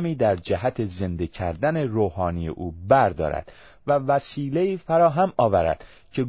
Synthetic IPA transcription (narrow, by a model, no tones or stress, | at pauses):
miːd̪æɾd͡ʒæɦæt̪ʰe̞ze̞nd̪ecʰæɾd̪æne̞ɾoːhɒːnijḛʔuːbæɾd̪ɒ̰ːɾæ̰d̪̥ | vævæsiːleiːfæɾɒːɦæmɒːvæɾæ̰d̪̥ | cʰe̞ɡ